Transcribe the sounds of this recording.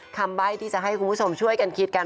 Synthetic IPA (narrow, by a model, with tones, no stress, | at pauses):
kʰa˧mba˥˩jt̪ʰiː˥˩t͡ɕa˨˩ʔɦa˥˩jkʰu˧nbu˥˩o˧mt͡ɕʰu˥˩əjka˧nkʰi˦˥t̪̚ka˧